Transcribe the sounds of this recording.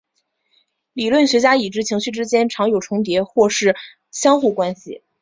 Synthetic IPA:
li˨˩lwə˥˩nɕɥɛ˧˥t͡ɕja˥i˨˩ʈ͡ʂɻ̩˧˥t͡ɕʰi˧˥ŋɕy˥˩ʈ͡ʂɻ̩˥t͡ɕjɛ˥nʈ͡ʂʰɑ˧˥ŋjo˨˩ʊʈ͡ʂʰʊ˧˥ŋt̪̬jɛ˧˥xwɔ˥˧ʂɻ̩˥˩ | ɕjɑ˥ŋxu˥˩kwa˥nɕḭ˨

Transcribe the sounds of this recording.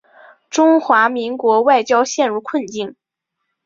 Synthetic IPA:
ʈ͡ʂʊ˥ŋxwa˧˥mi˧˥ŋkwɔ˧˥wa˥˩ɪt͡ɕjɑ˥ʊɕjɛ˥˧nɻu˥˧kʰwə˥˧nt͡ɕi˥˩n

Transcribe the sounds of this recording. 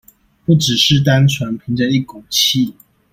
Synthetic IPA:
pu˥˩ʈ͡ʂɻ̩˨˩ʂɻ̩˥˨t̪a˥nʈ͡ʂʰwa˧˦npʰi˧˥ŋt͡sa˥˧i˥˩kʊ˨˩ŋt͡ɕʰi˥˨

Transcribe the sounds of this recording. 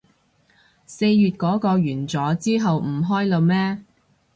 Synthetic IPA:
se˧jːyː˨t̚kɔː˨˥kɔː˧ɥyː˨˩nt͡sɔː˨˥t͡siː˥ɦɐ˨wm̩˨˩ɦɔː˥jlo˧wmɛː˥

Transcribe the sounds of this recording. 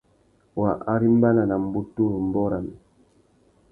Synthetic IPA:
wa˨ʔa˦ɾi˦m˦ba˦na˨na˨m˦bu˦tu˦ɾu˨m̩˨bɔ˦ɾa˨mɛ˨

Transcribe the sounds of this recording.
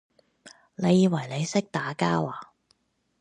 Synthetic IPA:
ne˨˧jiː˨˧wɐ˨˩jle˨˧jsɪ˥k̚t̪aː˨˥kaː˥waː˨

